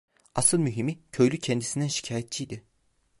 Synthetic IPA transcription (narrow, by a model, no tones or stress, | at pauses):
asɯlˠmyɦimicʰø̞jlʲycʰɛnd̪isind̪ænʃi̥cʰaːjɛt̪̚t͡ʃʰijd̪ɪ